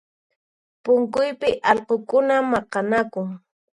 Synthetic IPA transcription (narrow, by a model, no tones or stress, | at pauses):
pʊŋkʊjpɪʔɑlqokʊnamɑqɑnakʊŋ